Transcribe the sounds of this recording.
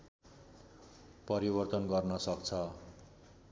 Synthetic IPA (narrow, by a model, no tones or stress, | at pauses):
pʌɾibʌrt̪ʌnɡʌrnʌsʌkt͡sʰʌ